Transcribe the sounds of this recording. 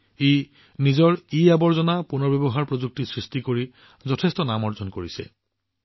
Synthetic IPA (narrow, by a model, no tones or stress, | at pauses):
e | nizɔɹiabɔɹzɔnapunɔɹbjebɔɦaɹpɹozuk̚tisɹistikoɹi | zɔtʰestɔnamɔɹzɔnkoɹisɛ̰